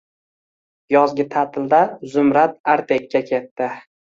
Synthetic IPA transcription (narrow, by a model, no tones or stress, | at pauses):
jɒzɡʲɪt̪ʰat̪ʰɪld̪azʊmɾat̪̚aɾt̪ʰekʲːakʲʰe̞t̪ːɪ